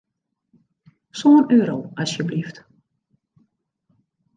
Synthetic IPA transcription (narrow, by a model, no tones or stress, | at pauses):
soənøːɾowɑsjəblift